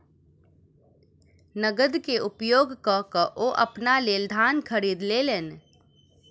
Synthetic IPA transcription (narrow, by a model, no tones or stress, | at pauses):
nəɡəd̪keʔʊpjoːɡkakəʔoʔɐpnaleːld̪ʱaːnkʰəɾiːd̪leleːn